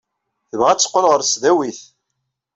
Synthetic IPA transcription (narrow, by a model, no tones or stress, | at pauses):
θəvʁæt͡sːə̥qːolʁəɾsðæwiθ